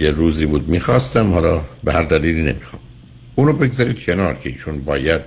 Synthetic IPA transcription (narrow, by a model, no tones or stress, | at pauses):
jeɾuːziːbuːd̪̚miːxɒːst̪æmhɒːlɒːbehæɾd̪æliːliːne̞̰miːxɑːm | uːnoːbe̞ɡzɒɾiːd̪̥̚cʰe̞nɒːɾcʰeiːʃuːnbɒːjæd̪̥̚